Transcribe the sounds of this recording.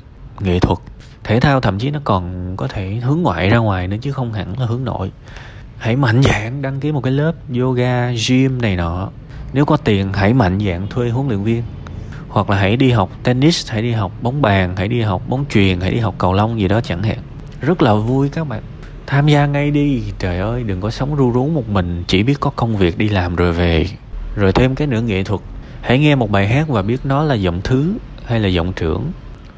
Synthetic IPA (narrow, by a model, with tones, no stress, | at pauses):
ŋḭ˧˨t̪ʰwə˨˩t̚ | t̪ʰe˧˩t̪ʰaː˧wt̪ʰə̰˧˨mt͡ɕi˨˦nɔ˨˦kɔ˨˩nkɔ˨˦t̪ʰe˧˩ɦɨ˨˦əŋːwa̰ː˧˨jzaː˧ŋwaː˨˩jnɨ̰˨˦t͡ɕɨ˨˦xə˧wŋ͡mɦa̰˧˩ŋla˨˩hɨ˨˦ŋno̰˧˨j | ha˧˩jma̰˧˨jŋ̟za̰ː˧˨ŋɗa˧ŋki˨˦mo˨˩kaː˨˦lə˦˥p̚zo˧ɣaː˧zi˧mna˨˩jnɔ˨˩˦ | ne˨˦wkɔ˨˦t̪i˨˩ənɦa˧˩jma̰˧˨jŋza̰ː˧˨ŋt̪ʰwe˧ɦɨ˨˦əŋlḭ˧˨ənvi˧ən | hwa˨˩k̚laː˨˩ɦa˧˩jɗi˧ɦa˨˩wk͡p̚t̪ɛ˧ni˦˥sha̰˧˩jɗi˧ɦa˨˩wk͡p̚ɓə˨˦wŋ͡mɓaː˨˩ŋha̰˧˩jɗi˧ɦa˨˩wk͡p̚ɓɔ˨˦wŋ͡mt͡ɕwi˨˩ənha̰˧˩jɗi˧ɦa˨˩wk͡p̚kə˨˩wlə˧wŋ͡mzi˨˩ɗɔ˨˦t͡ɕa˧˩ŋha̰ː˧˨ŋ | zə˦˥t̚laː˨˩vu˧jkaː˦˥k̚ɓa̰ː˧˨n | t̪ʰaː˧mzaː˧ŋa˧jɗi˧t͡ɕəː˨˩jʔəː˧jɗɨ˨˩ŋkɔ˨˦sə˨˦wŋ͡mzu˧zu˨˦wmo˨˩t̚mï˨˩ŋ̟t͡ɕi˧˩ɓi˦˥ət̚kɔ˨˦kə˧wŋ͡mvi˨˩ək̚ɗi˧laː˨˩mzo˨˩jve˨˩ | zo˨˩jt̪ʰe˧mkaː˨˦jnɨ˧˥əŋḭ˧˨t̪ʰwə˨˩t̚ | ha̰˧˥˩jŋɛ˧mo˨˩t̚ɓaː˨˩jɦaː˦˥k̚vaː˨˩ɓi˦˥ət̚nɔ˨˦laː˨˩zɔ̰˧˨wŋ͡mt̪ʰɨ˨˦ | ha˧jlaː˨˩zɔ̰˧˨wŋ͡mt͡ɕɨ˧˩əŋ